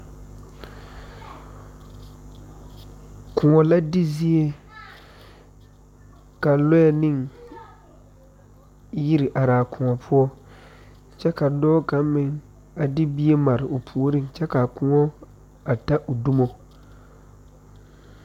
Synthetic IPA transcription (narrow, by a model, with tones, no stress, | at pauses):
kʰʊ˨ŋɔ˨la˦dɪ˦zi˦e˦ | ka˨lʊ˦jɛ˨nɪ˦˨ŋ | ji˦ɾɪ˨ʔa˨ɾaː˨kʊ˨ŋɔ˨pʰʊ˦ɔ˦ | t͡ʃɛ˦ka˨dɔː˦ka˨˦mɪ˨ŋ | a˨dɪ˦bi˦e˦ma˨ɾɪ˨ʔʊ˨pʰu˨o˨ɾɪ˦ŋt͡ʃɛ˦ka˨kʊ˨ŋɔ˦ | a˨ta˦ʔʊ˨du˦mo˦